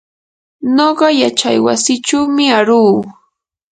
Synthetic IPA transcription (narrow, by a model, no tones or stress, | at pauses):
noɢɑjat͡ʃa̰jwa̰sɪt͡ʃawmɪaɾuː